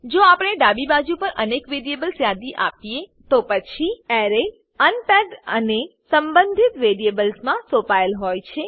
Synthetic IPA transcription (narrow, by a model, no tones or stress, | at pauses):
d͡ʒoapəɳ̃eɖabibad͡ʒupəɾʔənekʋeɾijebəlsjad̪iʔa̰pijet̪opət͡ʃʰiɛɾe | ənpɛɡɖənesəmbə̃nd̪ʱit̪ʋeɾiebəlsmãsopaəlɦojt͡ʃʰe